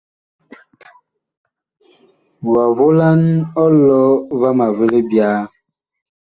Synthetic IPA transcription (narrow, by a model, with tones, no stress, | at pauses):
wa˨vo˦la˦nɔ˦lɔ˦va˦ma˨ve˦le˦bja˦